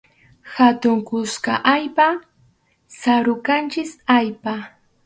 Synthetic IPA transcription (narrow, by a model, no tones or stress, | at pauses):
xat̪ʊŋkʊskaʔajpa | saɾʊkant͡ʃɪsajpa